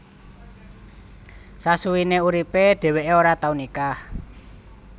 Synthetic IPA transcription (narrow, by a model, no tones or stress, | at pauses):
sasuwineuɾipeɖ̪̥ɛ̤weʔeoɾat̪aunika